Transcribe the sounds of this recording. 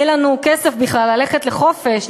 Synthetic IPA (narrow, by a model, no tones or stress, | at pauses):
ɛlanukesefbiχlalːale̞χet̪le̞χo̞fe̞ʃ